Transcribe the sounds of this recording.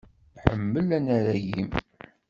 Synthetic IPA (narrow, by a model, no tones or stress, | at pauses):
ħəmːəlænæɾæjim